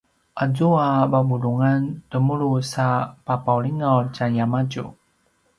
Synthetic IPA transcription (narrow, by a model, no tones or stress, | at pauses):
ʔazuababuɾuŋantəmuɾusapapawɭiŋawt͡ʃanjamad͡ʒṵ